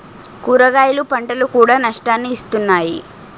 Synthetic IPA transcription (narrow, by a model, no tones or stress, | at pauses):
kuːɾɐɡaːjɐlupɐɳʈɐlukuːɽaːnɐʂʈaːnːiːst̪unːaːji